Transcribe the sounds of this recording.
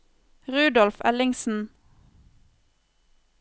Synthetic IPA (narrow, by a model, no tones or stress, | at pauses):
ʁʉːd̪ɔlfɛlɪŋsn̩